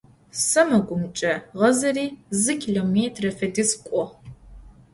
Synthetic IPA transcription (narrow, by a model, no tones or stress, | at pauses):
sɐmɐɡʷʊmt͡ʃʼɐʁɐzɐriːzɨkʲʰiloːmeːtʰrɐfɐdɨskʷʼɔ